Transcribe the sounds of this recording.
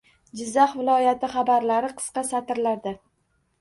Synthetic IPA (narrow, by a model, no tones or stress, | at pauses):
d͡ʒɪzːɑχvɪlˠɒjat̪ɪχɑbaɾlaɾɪqʰɨ̥sqɑsat̪ɪɾlaɾd̪a